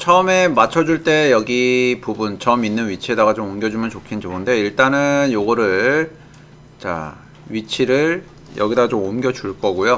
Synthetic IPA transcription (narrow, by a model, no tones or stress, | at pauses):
t͡ɕʰʌɯme̞mat͡ɕʰʌd͡ʑuɭt͈e̞jʌɡipubunt͡ɕʌminːɯnɥit͡ɕʰie̞daɡat͡ɕomomɡjʌd͡ʑumjʌnt͡ɕokʰind͡ʑoɡɯnde̞iɭt͈anɯnjoɡʌɾɯɭ | t͡ɕa̰ | ɥit͡ɕʰiɾɯɭ | jʌ̰ɡidaɡt͡ɕomomɡʲjʌd͡ʑuɭk͈ʌɡojo